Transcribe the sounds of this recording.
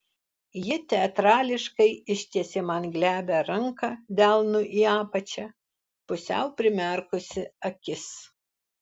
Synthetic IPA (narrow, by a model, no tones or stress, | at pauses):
jɪt̪ʲɛɐt̪ɾɑːlʲɪʃkɐɪɪʃʲt̪ʲiɛsʲemɐnɡlʲæːbʲɛɾɐŋkɐd̪ʲælˠnʊʔiːɑːpɐt͡ʃʲɛ | pʊsʲɛ̰ʊpʲɾʲɪmʲɛˑɾkʊsʲɪɐkʲɪs